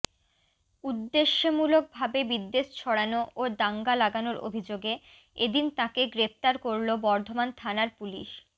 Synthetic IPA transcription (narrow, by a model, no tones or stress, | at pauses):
ud̪ːeʃːemulok̚bʱabebid̪ːeʃt͡ɕʰɔɽanoʔod̪aŋɡalaɡanoɾʔo̰bʱid͡ʑoɡe | ed̪int̪ãkeɡɾep̚t̪aɾkoɾlobɔɾd̪ʱomant̪ʰanaɾpulḭʃ